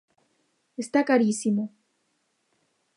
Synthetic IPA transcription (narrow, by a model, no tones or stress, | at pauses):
est̪akaɾisimo